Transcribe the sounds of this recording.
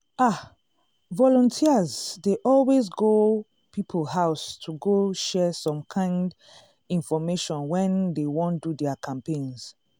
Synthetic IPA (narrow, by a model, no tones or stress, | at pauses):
a | vɔlɔ̃ntʰiəzdeʔɔlwezɡo | pipʰlhaʊstʰuɡoʃɛsɔ̃mkʰãɪ̃nd | ĩnfɔmeʃɔ̃nwɛ̃ndewɔ̃ndudɛakʰãmpẽnz̥